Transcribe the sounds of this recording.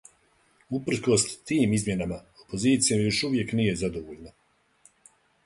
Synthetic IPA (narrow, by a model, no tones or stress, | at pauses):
upr̩ko̞st̪iːmizmʲje̞namaopo̞ziːt̪sijomjo̞ʃuʋje̞knije̞zad̪oʋoːʎna